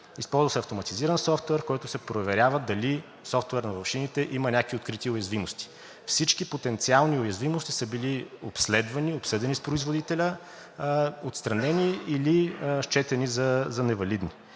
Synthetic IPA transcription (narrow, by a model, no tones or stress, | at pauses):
ispɔlˠzəsɛɐft̪omɐt̪iziɾənsɔft̪ɛɾkɔjt̪ʊsɛpɾovɛɾʲavəd̪ɐli | sɔft̪ɛɾnɐvɐfʃinit̪ɛʔimɐnʲakviot̪kɾit̪iʊjɐzvimost̪i̥ | fsit͡ʃkipot̪ɛnt̪sialˠniʊjɐzvimost̪isəbiliopslɛd̪vɐniopsəd̪ɛnispɾoizvod̪it̪ɛlʲə | ot̪st̪ɾɐnɛniiliʃt͡ʃɛt̪ɛnizɐzɐnɛvɐlid̪ni